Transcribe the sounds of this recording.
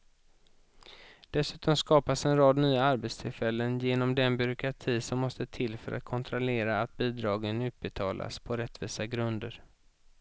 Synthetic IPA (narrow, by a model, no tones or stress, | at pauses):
d̪̥ɛsʉ̟ːt̪ɔmskɑːpasɛnɾɑːd̪nyːaaɾbet̪st̪ʰɪlfɛlːənjeːnɔmd̪ɛnbʏɾʊkɾat̪ʰiːsɔmːɔst̪ət̪ʰɪlːfœɾʔa̰t̪̚kʰɔnt̪ʰɾɔleːɾaːt̪̚biːd̪ɾɑːɡənʉ̟ːt̪̚bɛt̪ʰɑːla̰spʰɔɾɛt̪ːviːsaɡɾɵnd̪əɾ